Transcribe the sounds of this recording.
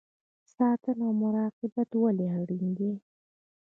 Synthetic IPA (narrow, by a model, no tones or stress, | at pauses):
sɑt̪ənawmʊɾɑqɪbat̪waleɦaɽiŋɡ̪i